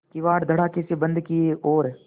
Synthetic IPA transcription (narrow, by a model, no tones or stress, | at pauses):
kiʋaːɽd̪ʱɐɽakɪsibə̃nd̪ʱkioːɾɛ